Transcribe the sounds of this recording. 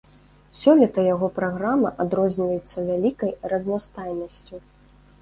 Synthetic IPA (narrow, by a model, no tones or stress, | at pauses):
sʲɔlʲɛt̪ɐjaɣɔpɾaɣɾamɐʔad̪ɾɔzʲnʲivɐjɛt̪sːɐvʲalʲikɐjrɐznast̪ajnɐsʲt͡sʲu